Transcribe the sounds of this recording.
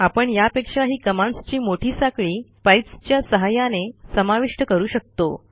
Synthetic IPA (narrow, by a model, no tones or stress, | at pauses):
apəɳjapekʂaɦiːkəmãɳst͡ɕiːmoʈʰiːsakɭiːpajpst͡ɕjasəɦajanesəmaʋiʂʈəkəɾuːɕək̚t̪o